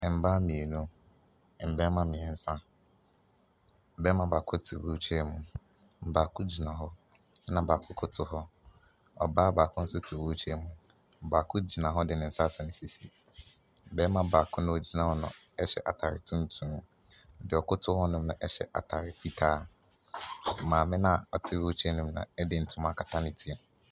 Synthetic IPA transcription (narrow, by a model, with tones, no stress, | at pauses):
m̩˨ba˦mĩ˨e˨nũ˦˨ | m̩˨bɛ˦mã˦mɪ̃˨ɛ˨n̩˦sã˦˨˦ | bɛ˦mã˨ba˨kʰʊ˦tʰɪ˨wu˦t͡ʃʰᶣɛ˦mũ˨ | m̩˨ba˨kʰʊ˦d͡ʑi˨nã˨ɦɔ˦ | nã˨baː˨kʰʊ˦kʰʊ˦tʰʊ˦hɔ˦ | ɔ̰˨baː˦baː˨kʰʊ̃˦n̩˦sʊ˦tʰɪ˨wu˦t͡ɕʰᶣɛ˦mũ˨ | m̩˨baː˨kʰʊ˦d͡ʑi˨nã˨ɦɔ˦dɪ˨nɪ̃˨n̩˦sa˦sɔ˨nɪ̃˨si˦si˨ | bɛ˦mã˨ba˨kʰʊ˦nʊ̃˦o˨d͡ʑi˦nã˨hɔ˦nʊ̰̃˨ɛ˦ɕɛ̰˨ʔa˨tʰa˨ɾɪ˨tʰũ˦n˦tʰũ˦m˦ | n̩˦dɪ˨ɔ˨kʰʊ˦tʰʊ˦hɔ˦nʊ̃˦m˦nʊ̃˨ʔɛ˦ɕɛ̰˨ʔa̰˨tʰa˨ɾɪ˨pʰi˦tʰaː˦˨ | mãː˨mɪ̃˦nã˦ɔ˨tʰɪ˦wo˦t͡ɕʰᶣɛ˦nʊ̃˦m˦nã̰˨ɛ˦dɪ˨n̩˨tʰʊ̃˦mã˦˨kʰa˨tʰã˦nɪ̃˨tʰi˦ɛ˨